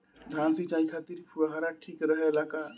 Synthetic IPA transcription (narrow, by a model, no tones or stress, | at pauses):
d̪ʱãsit͡ʃaĩkʰat̪iɾpʰuɾəɦaɾaʈʰikɾəɦɛlaka